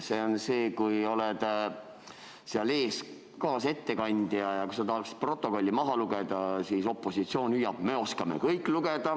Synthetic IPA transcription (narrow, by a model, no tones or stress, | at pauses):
seːo̞nse̞ːkujo̞led̪̥ | seɑle̞ːs | kɑːse̞t̪ːe̞kɑnʲd̪̥jɑjɑkujsɑt̪ɑɦɑksi̥pro̞t̪ːˑo̞ko̞lʲːimɑɦɑluɡ̥ed̪ɑsiso̞pˑːo̞sit̪sio̞ːnʲyjːɑb̥̚me̞o̞skɑme̞̰kɤjkːˑluɡ̥ed̪ɑ